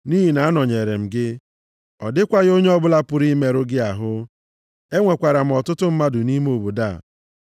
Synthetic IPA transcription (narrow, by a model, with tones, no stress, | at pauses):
ni˦ɦi˨na˨a˦nɔ˨ɲe˨ɾe˨m̩˨ɡɪ˦ | ɔ˨dɪ˦kʷa˦ɣo˦ɲe˦ɔ˦bʊ˦la˦pʊ˨ɾi˦me˦ɾʊ˦ɡɪ˦a˨ɦʊ˦ | e˦ŋʷe˨kʷa˨ɾa˨m̩˨ɔ˨tʊ˦tʊ˦m̩˦ma˦dʊ˨ni˦me˦o˨bu˨da˦˨